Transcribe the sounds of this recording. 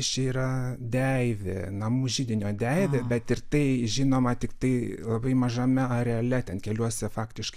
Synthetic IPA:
t͡ʃʲɛiːɾɐd̪ʲɛɪʋʲɪ̰nɐmuʒʲiːd̪ʲɪnʲoːd̪ʲɛɪʋʲɛbʲɛt̪ɪrt̪ɐɪʒʲinoːmɐt̪ʲɪkt̪ɐɪlˠɐbɐɪmɐʒɐmʲɛɐɾʲɛɐlʲɛt̪ʲɛnkʲɛlʲuɔsʲɛfɑːkt̪ʲɪʃk

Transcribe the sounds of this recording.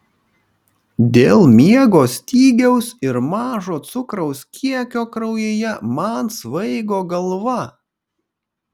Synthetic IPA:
d̪ʲeːlˠmʲiɛɡoːsʲt̪ʲiːɡʲɛʊsɪɾmɑːʒoːt̪sʊkɾɐʊskʲiɛkʲoːkɾɐʊjeːjɛmɐɑnsʋɐɪɡoːɡɐlˠʋɐ

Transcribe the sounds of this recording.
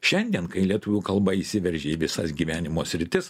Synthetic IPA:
ʃʲɛnʲd̪ʲiɛnkɐɪlʲiɛt̪ʊʋʲuːkɐlˠbɐisʲɪʋʲɛɾʲʒʲeːiːʋʲɪsɐsɡʲiːʋʲæːnʲɪmoːsʲɾʲɪt̪ʲɪs

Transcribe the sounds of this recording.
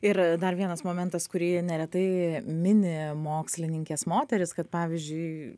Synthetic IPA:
ɪɾd̪ɐɾʋʲiɛnɐsmoːmʲɛnt̪ɐskʊɾʲiːnʲɛɾʲɛt̪ɐɪmʲɪnʲɪmoːksʲlʲɪnʲɪŋʲkʲeːsmoːt̪ʲɛɾʲɪskɐt̪pɑːʋʲɪzʲd͡ʒʲʊɪ

